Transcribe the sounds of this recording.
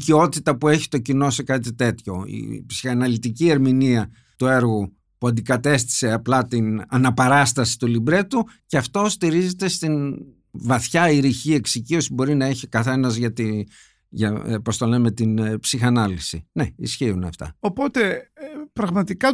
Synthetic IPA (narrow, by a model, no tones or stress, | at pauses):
cio̞t̪it̪ɐpue̞çi̥t̪o̞cino̞se̞kɐt̪it̪e̞t̪ço̞ḭpsixɐnɐlit̪icie̞ɾminiɐ | t̪ue̞ɾɣu | puɐnd̪ikɐt̪e̞st̪i̥se̞ɐplɐt̪inɐnɐpɐɾɐst̪ɐsi̥t̪ulibɾe̞t̪uceɐft̪o̞st̪iɾize̞t̪e̞st̪in | vɐθçɐiɾiçie̞ksicio̞sibo̞ɾinɐeçikɐθe̞nɐzʝɐt̪i | ʝɐpo̞st̪o̞le̞me̞t̪inpsixɐnɐlisine̞isçiunɐ̰ft̪ɐ̰opo̞t̪e̞pɾɐɣmɐt̪ikɐ